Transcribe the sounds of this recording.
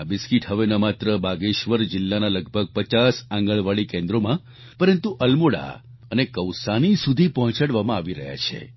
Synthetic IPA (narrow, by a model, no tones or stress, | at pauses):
abiskiʈɦəʋenəmat̪ɾəbaɡeʃʋəɾd͡ʒɪlːanaləɡ̚ʱbʱəɡ̚pət͡ʃasãŋɡəɭʋaɭikẽnd̪ɾomã | pəɾənt̪uʔəlmoɽa̰ | ənekəwsanisud̪ʱipɔɦɔ̃t͡ʃaɽʋamãaʋiɾəɦja̰t͡ʃʰḛ